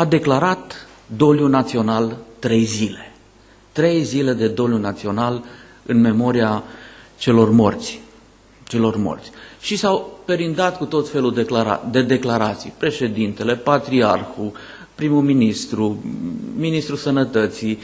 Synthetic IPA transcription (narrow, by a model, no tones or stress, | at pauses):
ad̪e̞klaɾat̪ | d̪o̞ljunat̪sio̞nalt̪ɾe̞jzile̞̥ | t̪ɾe̞jzile̞d̪e̞d̪o̞ljunat̪sio̞nal | ɨnme̞mo̞ɾiat͡ʃe̞lo̞rmo̰rt̪sʲ | t͡ʃe̞lo̞rmo̞̰rt̪sʲʃisawpe̞ɾind̪at̪kut̪o̞t̪fe̞luld̪eklaɾa̰d̪e̞d̪e̞klaɾat̪sḭjpɾe̞ʃe̞d̪int̪e̞le̞pat̪ɾiarxu | pɾimuminist̪ɾu | minist̪ɾusənət̪ət̪si